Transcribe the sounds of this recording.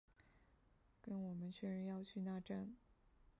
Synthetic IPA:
kə˥nwɔ˨˩mə˦nt͡ɕʰɥɛ˥˩ɻə˧˥njɑ˥˧ʊt͡ɕʰy˥˧na˥˧ʈ͡ʂa˥˩n

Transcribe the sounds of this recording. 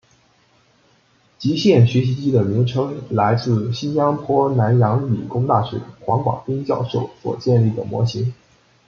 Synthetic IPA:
t͡ɕi˧˥ɕjɛ˥˩nɕɥɛ˧˥ɕ̬i˧˥t͡ɕi˥d̪ə˨mi˧˥ŋʈ͡ʂʰɤ˥ŋla˧˥ɪt͡sɹ̩˥˩ɕi˥nja˥pʰwɔ˥na˧˥njɑ˧˥ŋy̰˨˩kʊ˥ŋt̪a˥˩ɕɥɛ̰˧˥xwɑ˧˥ŋkwɑ̰˨˩ŋpi˥ŋt͡ɕjɑ˥˧ʊʂo˥˩ʊswɔ̰˨˩t͡ɕjɛ˥˧nli˥˩d̪ə˩mwɔ̰˧˥ɕi˧˥ŋ

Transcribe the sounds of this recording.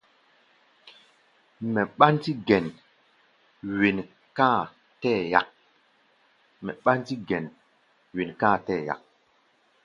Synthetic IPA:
mɛ˨ɓa˦nti˦ɡɛ˨n | wi˨n | ka˦˨ | tɛ˦˨ja˨k̚ | mɛ˨ɓa˦nti˦ɡɛ˨n | wi˨nka˦˨tɛː˦˨ja̰˨k̚

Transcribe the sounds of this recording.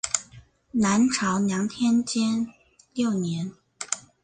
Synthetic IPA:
na˧˥nʈ͡ʂʰɑ˧˥ʊnjɑ˧˥ŋt̪ʰjɛ˥nt͡ɕjɛ˥n | ljo˥˩ʊnjɛ˧˥n

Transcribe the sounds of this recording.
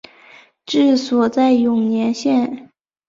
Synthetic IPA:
ʈ͡ʂɻ̩˥˩swɔ˨˩t͡sa˥˩ɪjʊ˨˩ŋnjɛ˧˥nɕjɛ˥˩n

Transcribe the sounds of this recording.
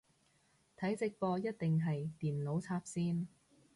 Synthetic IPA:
t̪ʰɐ˨˥jt͡sɪ˧k̚pɔː˧jɐ˥t̪̚t̪ɪ˨ŋɦɐ˨jt̪iː˨˩nlo˨˥wt͡sʰaː˧p̚siː˥n

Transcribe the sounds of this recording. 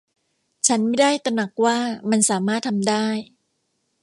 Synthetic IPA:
t͡ɕʰa˦˥nma˥˩jdaː˥˩jt̪a˧na˨˩k̚waː˥˩ma˧nsaː˩˦maː˥˩t̪ʰːa˧mdaː˥˩j

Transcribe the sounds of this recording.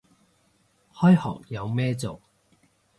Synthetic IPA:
hɔː˥jhɔ̰ː˨k̚jɐ˨˧wmɛː˥t͡so˨w

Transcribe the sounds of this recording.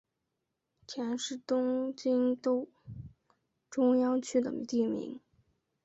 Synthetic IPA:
t͡ɕʰjɛ˧˥nʂɻ̩˥˩t̪ʊ˥ŋt͡ɕi˥nt̪o˥˩ʊ | ʈ͡ʂʊ˥ŋjɑ˥ŋt͡ɕʰy˥d̪ə̰˨t̪i˥˩mḭ˧˥ŋ

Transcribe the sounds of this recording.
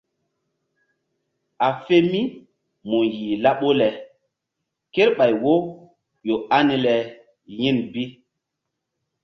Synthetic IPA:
a˨fe˦mi˦ | mu˨ji˨la˦ɓo˦lɛ˨ | ke˦ɾɓa˨jwo˦ | jo˨a˦ni˦lɛ˨ | ji˦nbi˦

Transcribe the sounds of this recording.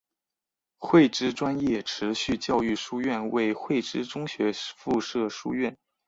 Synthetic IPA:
xwe˥˩ɪʈ͡ʂɻ̩˥ʈ͡ʂwa˥njɛ˥˩ʈ͡ʂʰɻ̩˧˥ɕy˥˧t͡ɕjɑ˥˧ʊy˥˩ʂu˥ɥɛ˥˩nwe˥˩ɪxwe˥˩ɪʈ͡ʂɻ̩˥ʈ͡ʂʊ˥ŋɕɥɛ˧˥fu˥˧ʂɤ˥˩ʂu˥ɥɛ˥˩n

